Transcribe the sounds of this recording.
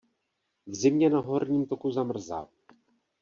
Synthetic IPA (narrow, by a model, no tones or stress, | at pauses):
vzɪmɲɛnaɦo̞ɾɲiːmt̪o̞kuzamr̩za̰ː